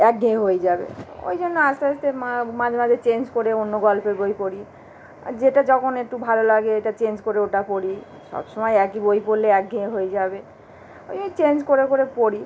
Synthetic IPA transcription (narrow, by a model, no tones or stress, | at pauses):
ɛk̚ɡʱẽɦojed͡ʑabḛo̰jd͡ʑʱonːoast̪east̪emamad͡ʑʱemad͡ʑʱet͡ɕend͡ʑkoɾeonːoɡɔlpʰeɾbojpoɽi | a̰d͡ʑeʈad͡ʒɔkʰonek̚ʈubʱalolaɡeeʈat͡ɕend͡ʑkoɾeoʈapɔɽi | ʃɔ̰bʃɔmɔjɛkibojpoɾleɛk̚ɡʱẽeɦoed͡ʑabe | oit͡ɕend͡ʑkoɾekoɾepoɽi